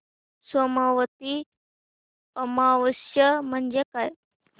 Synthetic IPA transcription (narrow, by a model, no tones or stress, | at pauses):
səmaʋət̪i | əmaʋəsjəm̤əɳd͡ʑekaj